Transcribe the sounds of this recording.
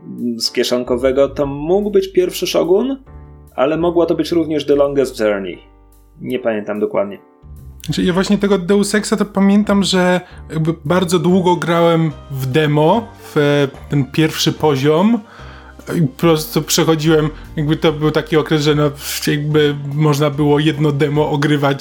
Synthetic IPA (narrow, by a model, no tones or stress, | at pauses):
skʲjɛʂɔŋkɔvɛɡɔt̪ɔmuɡwbɘt͡ɕpʲjɛɾfʂɘʂɔɡunʔa̰lɛmɔɡwɔt̪ɔbɘt͡ɕɾuvɲɛʐd̪ɔlɔŋɡazd͡ʒɛɾnḭ | ɲɛpamʲjɛnt̪amd̪ɔkwa̰d̪ɲɛ | at͡ʂɛjavwaɕɲɛt̪ɛɡɔd̪ːɛwsɛksat̪ɔpamʲjɛnt̪amʐɛjaɡ̚bɘbaɾd̪zɔd̪wuɡɔɡɾawɛmvd̪ɛmɔ | ft̪ɛnpʲjɛɾfʂɘpɔʑɔm | ipɔpɾɔst̪upʂɛxɔd͡ʑiwɛmjaɡ̚bɘt̪ɔbɘwt̪akʲiɔkɾɛzʐɛnɔjaɡ̚bɘmɔʐnabɘwɔjɛd̪nɔd̪ɛmɔʔɔɡɾɘvat͡ɕ